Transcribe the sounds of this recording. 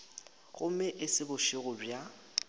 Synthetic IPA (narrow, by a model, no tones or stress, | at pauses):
ɣʊmɛʔɪsɪbʊʃɪɣʊbja